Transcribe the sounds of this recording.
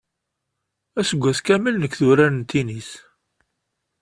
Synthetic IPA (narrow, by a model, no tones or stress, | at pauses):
æsəɡʷːæskæməlnəkːθʊɾænənt̪ːinis